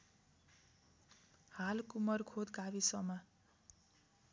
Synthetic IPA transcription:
halkumʌrkʰod̪ɡabisʌma

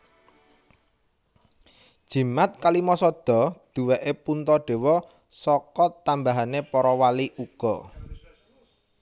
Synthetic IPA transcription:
d̥ʒ̥i̤mat̪̚kalimɔsɔd̪̥ɔ̤d̪̥ṳweʔepunt̪ɔɖ̪̥e̤wɔ | sɔkɔt̪ambaɦanepɔɾɔwaliʔuɡ̥ɔ

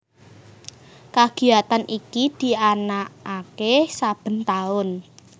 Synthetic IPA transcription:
kaɡ̥i̤at̪anʔikid̪̥i̤anaakesab̥ə̤nt̪aʊn

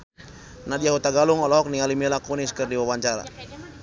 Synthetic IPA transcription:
nadijaɦut̪aɡaluŋɔlɔɦɔk̚nialimilakuniskərdiwawaɲt͡ʃaɾa̰

